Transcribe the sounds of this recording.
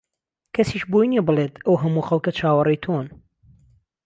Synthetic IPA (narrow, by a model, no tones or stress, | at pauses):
kʰɐsiːʃbojniebɨleːt̪ʰɐwɦɐmuːxɐlˠkɐt͡ʃʰaːwɐrijt̪ʰoːn